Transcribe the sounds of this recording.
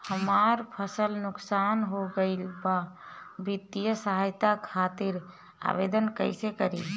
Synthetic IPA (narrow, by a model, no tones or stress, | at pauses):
həmaɾpʰəsəlnʊksanɦoɡəɪlbabit̪ːijəsəɦajt̪akʰat̪iɾ | a̰bed̪ənkə̰ɪsekəɾḭl